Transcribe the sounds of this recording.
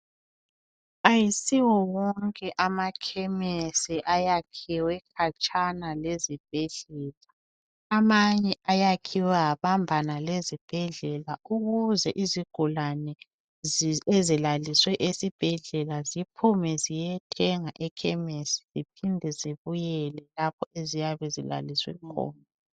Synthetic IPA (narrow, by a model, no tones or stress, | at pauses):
ajisiwɔwɔŋkʼɛʔamakʰɛmesiʔajakʰiwɛkʰat͡ʃʼanalezib̥̚ʱɛɮɛːlaː | maɲɛajakʰiwɛaβambʱanalezib̥ʱɛɮɛlauɣuzɛʔiziɡ̥ʱulanɛ | ezilaliswɛʔesib̥ʱɛɮɛlazipʰumɛzijɛtʰɛŋaʔɛkʰɛmesi̥z̥ipʰindʱɛziβujɛlɛlap̚ʰɔezijaβɛzila̰liswɛ̰kʰɔ̰ːna